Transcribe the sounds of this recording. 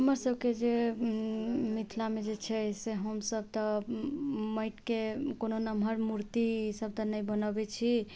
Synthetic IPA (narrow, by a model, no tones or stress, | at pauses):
ɦəməɾsəbked͡ʒe | mit̪ʰlamed͡ʒet͡ʃʰɛseɦəmsəb̚t̪ə | məjʈkekononəmɦəɾmuɾt̪isəb̚t̪ənəjbənəbɛt͡ʃʰi